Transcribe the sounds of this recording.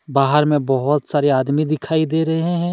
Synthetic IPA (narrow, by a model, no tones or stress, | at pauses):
baːɦəɾmẽbɐɦʊt̪saːɾeaːd̪mid̪ɪkʰaːid̪eːɾɐɦeɦɛ̃ː